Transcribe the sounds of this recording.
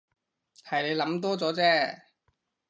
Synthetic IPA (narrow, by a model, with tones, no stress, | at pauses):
hɐ˨jne˨˧jlɐ˨˥mt̪ɔː˥t͡sɔː˨˥t͡sɛː˥